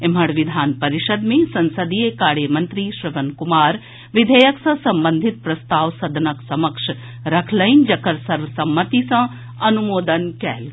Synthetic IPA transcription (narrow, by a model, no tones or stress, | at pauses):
ɪm̤ɐɽʋɪd̪ʱaːnpɐɾiʃəd̪mẽsɐnsəd̪ijekaːɾjəmɐnt̪ɾiːʃɾɪʋənkumaːɾ | ʋɪd̪ʱɐjəksɐ̃sɐmbənd̪ʱit̪̚pɾɐst̪aːʋsɐd̪ʱnɐksɐməkʂ | ɾɐkʰlɐjnd͡ʒɐkəɾsɐɾʋəsɐmːət̪isɐ̃ | ɐnumoːd̪ənkɛ̰ːl